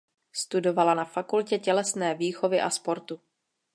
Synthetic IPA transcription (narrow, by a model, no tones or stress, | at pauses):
st̪udo̞valanafakulcɛcɛlɛsnɛːviːxo̞vɪʔaspo̞ɾt̪u